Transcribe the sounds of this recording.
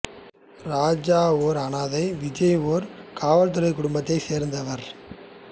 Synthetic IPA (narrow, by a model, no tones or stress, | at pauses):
ɾaːd͡ʒaːoːɾɐnaːðɐɪʋɪd͡ʒɐjoːɾkaːʋɐlt̪̬ʊɾɐɪkːʊɽʊmbɐt̪ːɐɪseːɾnd̪ɐʋɐɾ